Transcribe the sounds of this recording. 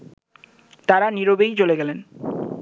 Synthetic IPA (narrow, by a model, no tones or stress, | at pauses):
t̪aɾaniɾobejt͡ɕoleɡɛlen